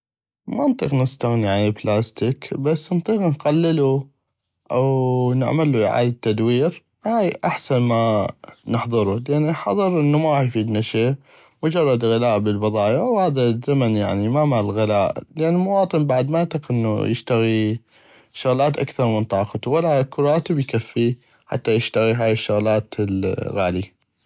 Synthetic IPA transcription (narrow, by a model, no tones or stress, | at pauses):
mɑnt̪ˤiqnəst̪aɣniʕanablaːst̪ikbasːnt̪ˤiːqnqalːɪlu | ʔawnɪ̰ʕmalːuʕa̰ːd̪at̪ːad̪wiːɾ | haːjʔaħsanmanɪħðˤɨɾulɪʔanːiħɑðˤɨɾʔɪnːumajfiːd̪naʃeː | mʊd͡ʒɑrˤːɑd̪ɣɪlaːʔbəlbɑðˤɑːjawhaːðazamanja̰ʕnimamalɣɪlaːʔlɪʔanːɪlmʊwɑːt̪ˤɨnbaʕd̪maɪt̪ːɑqʔɪnːṵjɪʃt̪aɣi | ʃʊɣlaːt̪ʔakθɑɾˤmənt̪ˤɑːqɑt̪walakʊɾˤɑːt̪ɪbjkafːi | ħa̰t̪ːajɪʃt̪aɣiɦaːjɪʃːʊɣlaːt̪lɣaːli